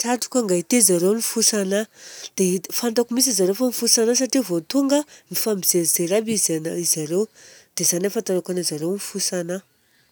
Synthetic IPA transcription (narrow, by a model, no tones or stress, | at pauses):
ʈ͡ʂaʈ͡ʂu̥kʲaŋɡait̪ezaɾewnifusanad̪̥efand̪akumis̬izaɾewfanifusanas̬aʈ͡ʂivot̪uŋɡənifambizeɾzeɾabizanaizaɾewd̪̥ezanafant̪aɾakanazaɾewnifusana